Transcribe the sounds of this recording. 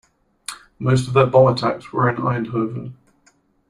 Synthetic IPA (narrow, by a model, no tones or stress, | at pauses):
məʊs̬təvðəbɒlətʰakswəɹɪ̃na̰ɪə̃nɦəːvə̃n